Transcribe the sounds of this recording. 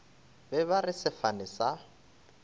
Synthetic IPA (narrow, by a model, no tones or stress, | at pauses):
bɛβarɪsɪfanɪsa